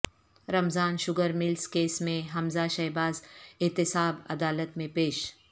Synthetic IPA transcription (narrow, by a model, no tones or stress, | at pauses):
ɾɐmzaːnʃʊɡəɾmɪlskeːsmẽɦɐmzaʃɐːbaːzɪt̪ɪsaːbɐ̰d̪aːlət̪mẽpeːʃ